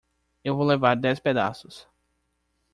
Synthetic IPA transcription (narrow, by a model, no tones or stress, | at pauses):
ewvowlevaɾd̪ɛsped̪a̰sʊs